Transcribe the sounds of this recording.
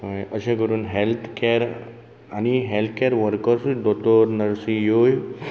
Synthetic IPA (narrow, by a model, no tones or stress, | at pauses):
jəɕẽkəɾuːnɦelt̪ʰkeɾ | aniɦelt̪ʰkeɾʋəɾkəɾsud̪ot̪oɾnəɾsijoj